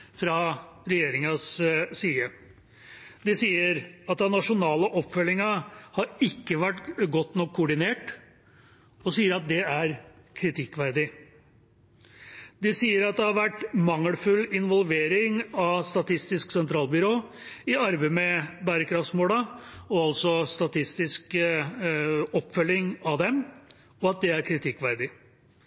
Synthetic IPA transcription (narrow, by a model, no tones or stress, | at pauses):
fɾɑɾɛjeːɾɪŋɑsːiːə | d̪ɪsiːəɾɑt̪̚d̪ɛnɑʂʊnɑːləʔɔpːfœlːɪŋɑhɑɾɪkːəʋæʈɡɔt̪ːnɔkʰːʊɖɪneːʈ | ɔsiːəɾɑt̪̚d̪ɛæɾ | kʰɾɪt̪ʰɪkːʋæɾd̪ɪ | d̪ɪsiːəɾɑt̪̚d̪ɛhɑɾʋæʈːmɑŋːəlfʉlɪnʋɔlʋeːɾɪŋɑst̪ɑt̪ʰɪst̪ɪsksɛnt̪ʰɾɑːlbʏɾoː | ɪɑɾbeɪmɛbæːɾəkɾɑft̪smoːlɑɔɑlsɔst̪ɑt̪ʰɪst̪ɪsk | ɔpːfœlːɪŋɑʋd̪ɛm | ɔɑt̪̚d̪ɛæɾkʰɾɪt̪ʰɪkːʋæɾd̪ɪ